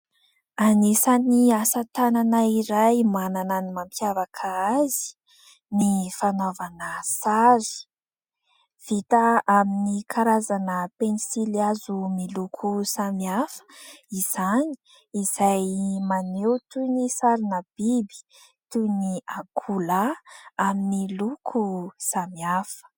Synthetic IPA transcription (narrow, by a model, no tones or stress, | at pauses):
anisaniasat̪ananaiɾajmanananimampjavakʰaazi̥ | nifanovanəsaɾi̥ | v̥it̪aaminikʰaɾazanəpenisiliazumilukʰusamiafə̥iz̥ani̥ | iz̥ajmanewt̪unisaɾinəb̥ibi̥ | t̪uniakʰulaaminilukʰusamiafə̥